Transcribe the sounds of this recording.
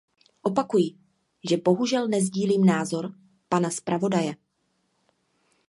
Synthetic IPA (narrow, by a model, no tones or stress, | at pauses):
ʔo̞pakujɪ | ʒɛbo̞ɦuʒɛlnɛzɟiːliːmnaːzo̞ɾ | panaspɾʔavo̞dajɛ